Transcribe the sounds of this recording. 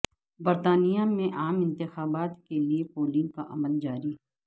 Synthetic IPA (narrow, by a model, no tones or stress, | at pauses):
bɐɾt̪aːnijamẽʔaːmɪ̃nt̪ɪxaːbaːt̪keliepoːlĩkaʔɐməld͡ʒaːɾiɦ